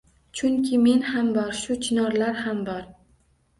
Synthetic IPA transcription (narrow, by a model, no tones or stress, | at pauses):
t͡ʃʰʊŋkʲʰɪme̞nhambɒɾʃʊt͡ʃʰɪnɒɾlaɾhambɒɾ